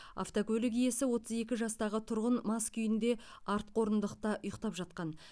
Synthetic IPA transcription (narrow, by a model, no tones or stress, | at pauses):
a̰ft̪okɵlʲɪɡʲijesɪwo̞t̪əze̞kʲɪʒɑst̪ɑʁət̪ʰʊɾʁənmɑskʲʰʏjɪnd̪e̞ | ɑɾt̪̚qʰo̞ɾənd̪əqt̪ɑʊjəqt̪ɑpʒɑt̪̚qɑn